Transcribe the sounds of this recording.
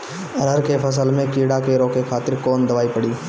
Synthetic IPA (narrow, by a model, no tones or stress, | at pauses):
ɐɾəɾkepʰɐs̬əlmẽkiːɽakeɾõkekʰaːt̪ɪɾkɔːnd̪ɐʋaːipɐɽiː